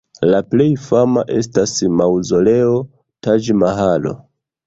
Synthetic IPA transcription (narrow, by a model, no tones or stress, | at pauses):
laple̞jfamaʔe̞stasmawzoleo | tad͡ʒmaɦalo̞̰